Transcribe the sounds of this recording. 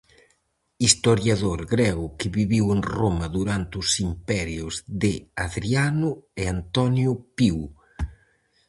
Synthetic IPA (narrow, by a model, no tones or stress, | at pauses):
ist̪oɾjaðoɾɣɾɛɣʊkɪβiβiweŋromɐðuɾant̪ʊsimpɛɾjʊzðɪaðɾianʊeant̪ɔnjʊpiw